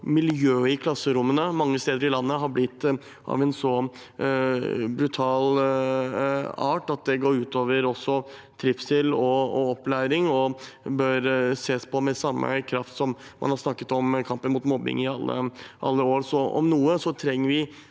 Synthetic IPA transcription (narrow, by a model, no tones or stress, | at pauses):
mɪljøːɪkʰlɑsːəɾʊmːənəmɑŋːəst̪eːd̪əɾɪlɑnːəɦɑɾblɪt̪ː | ʔɑ̰ʋɛnsɔ | bɾʉt̪ʰɑːl | ɑːʈɑt̪̚d̪ɛɡoːɾʉːt̪ʰoːʋəɾɔsːɔ | t̪ʰɾɪfsɪlːɔɔɔpːlæɪɾɪŋɔbœɾseːspʰɔmɛsɑmːə̰kʰɾɑft̪sɔmmɑ̰nhɑɾʂnɑkːə̥t̪ɔmkʰɑmpənmuːt̪mɔbːɪ̰ŋɪɑlːə̰ʔɑ̰lːəoːɾsɔɔ̰mnuːəsɔt̪ʰɾɛŋːəɾʋɪ